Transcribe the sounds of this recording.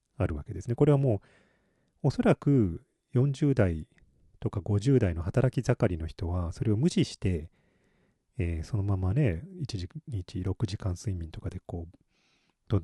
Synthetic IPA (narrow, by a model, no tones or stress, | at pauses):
aɾɯ̟βake̞d̪e̞sɨneko̞ɾe̞β̞amo̞ː | oso̞ɾakɯ̟ | jõ̞ɲ̟d͡ʑɨːd̪ai | t̪o̞kaɡo̞ʑɨːd̪aino̞hat̪aɾakʲizakaɾʲino̞çi̥t̪o̞βaso̞ɾe̞o̞mɯ̟ɕiɕi̥t̪e̞ | eːso̞no̞mamane̞it͡ɕiʑiɲit͡ɕiɾo̞kɯ̟ʑikãɰ̃sɨimʲĩnt̪o̞kad̪e̞ko̞ː | d̪̥o